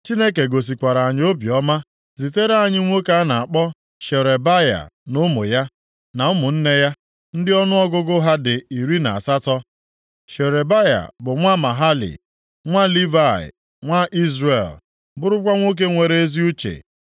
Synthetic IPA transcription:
t͡ʃi˦ne˦ke˨ɡo˨s̬i˨kʷa˨ɾa˨a˨ɲ˦o˦bjɔ˦ma˦ | zi˨te˦ɾa˨ɲɪ˦ŋʷo˦ka˦na˨a˨k͡pɔ˦ | ʃe˨ɾe˨ba˦ja̰˨nʊ˦mʊ̰˨ja˦ | na˨ʊ˦mʊ˨n̩˦ne˦ja˦ | n̩˦dɪ˦ɔ˦nʊ˦ɔ˦ɡʊ˦ɡʊ˦ɦa˦dɪ˨i˨ɾi˦na̰˨a˨sa˦tɔ˦ | ʃe˨ɾe˨ba˦ja̰˨bʊ˨ŋʷa˦ma˨ɦa˦lḭ˨ | ŋʷa˦li˦va˦˨ɪ̰˨ | ŋʷa˦ʔi˦zɾe˨l | bʊ˦ɾʊ˦kʷa˦ŋʷo˦k̬e˦ŋʷe˨ɾe˦e˦zi˦u˦t͡ʃḛ˨

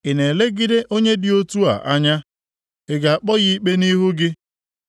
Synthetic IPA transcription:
ɪ˨ne˨le˦ɡɪ˦de˦ʔo˦ɲe˦dɪ˨o˦tu˦a̰˨ʔa˦ɲa˦ | ɪ˨ɡa˨a˨k͡pɔ˦ɣi˦i˦k͡pe˦ni˦ɦʊ˦ɡɪ˦

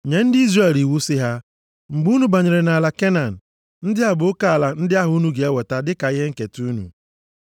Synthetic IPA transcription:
ɲe˨n̩˦dɪ˦i˦zre˦˨li˨wu˦sɪ˦ɦa˦ | ŋ͡m̩˨ɡ͡bu˦nu˦ba˨ɲe˨ɾe˨na˨la˨ke˦na˨n̩˨ | n̩˦dɪ˦a˦bʊ˨˦ka˨a˨la˨n̩˦dɪ˦a˦ɦʊ˦u˦nu˦ɡe˨e˦we˨ta˦dɪ˦ka˨ɪ˦ɦe˦ŋ̩˦ke˨tu˦nṵ˨

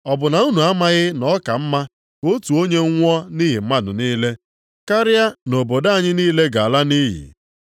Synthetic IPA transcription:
ɔ˨bʊ˨na˨u˦nu˨a˦ma˦ɣɪ˦nɔ˦ka˨m̩˦ma˦ | ko˦tu˨o˦ɲe˦ŋ˦ŋʷ˦ɔ˦ni˦ɦi˨m̩˦ma˦dʊ̰˨niː˦le˦ | ka˦ɾɪ˦a˦no˨bo˨da˦˨ɲɪ˦niː˦le˦ɡa˨a˨la˦ni˦ɦḭ˨

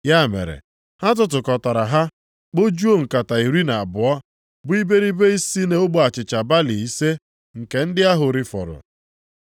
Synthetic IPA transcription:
ja˦˨mḛ˨ɾḛ˨ | ha˦t̬ʊ˦t̬ʊ˨kɔ˨tɔ˨ɾa˨ɦa˦ | k͡po˦d͡ʒu˦o˦ŋ̩˨ka˨ta˨i˨ɾi˦na˨a˨bʊ˨ɔ˦ | bʊ˦i˦be˦ɾi˦be˦i˦si˦ne˦ʊ˦ɡ͡bo˦˨a˨t͡ʃɪ˨t͡ʃa˨ba˦li˨i˦se˦ | ŋ̩˨ke˨n̩˦dɪ˦a˦ɦʊ˨ɾi˦fɔ̰˨ɾʊ̰˨

